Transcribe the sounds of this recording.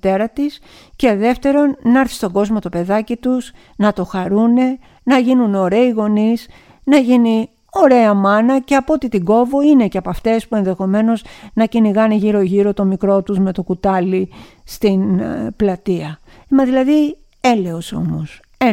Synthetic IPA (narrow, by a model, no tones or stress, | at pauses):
t̪e̞ɾɐt̪is | ce̞ðe̞ft̪e̞ɾo̞nːɐɾθi̥st̪o̞ɡo̞zmo̞t̪o̞pe̞ðɐcit̪us | nɐt̪o̞xɐɾune̞ | nɐʝinuno̞ɾe̞iɣo̞nis | nɐʝini | o̞ɾe̞ɐmɐnɐce̞ɐpoot̪it̪iɡo̞vo̞ine̞ceɐpɐft̪e̞spue̞nðe̞xo̞me̞no̞znɐciniɣɐneʝiɾo̞ʝiɾo̞t̪o̞mikɾo̞t̪uzme̞t̪o̞kut̪ɐli | st̪inplɐt̪iɐ | emɐðilɐði | ele̞oso̰nus | e